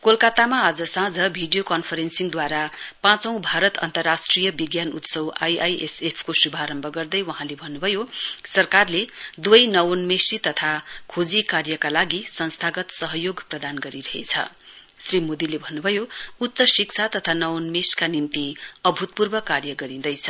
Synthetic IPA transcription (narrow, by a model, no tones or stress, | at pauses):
kolkat̪amaːd͡zʌsãd͡zʌbʱiɖijokʌnpʰʌɾensiŋd̪waɾapãt͡sʌ̃w̃bʱaɾʌt̪ʌ̰nt̪ʌrːasʈrijʌbiɡjanut̪sʌwa̰jajʔḛsepʰkosubʱaɾʌmbʱʌɡʌrd̪ʌjwʌɦãlebʱʌnːubʱʌjosʌrkarled̪wʌjnʌwnmesit̪ʌt̪ʰakʰod͡zikarjʌkalaɡisʌnst̪ʰaɡʌt̪sʌɦʌjoɡprʌd̪anɡʌɾiɾʌɦḛt͡sʰʌ̰ | srimod̪ilebʱʌnːubʱʌjout̪ːsʌsikt͡sʰat̪ʌt̪ʰanʌwnmeskanimt̪iʌbʱut̪̚purbʌkarjʌɡʌɾĩnd̪ʌjt͡sʰʌ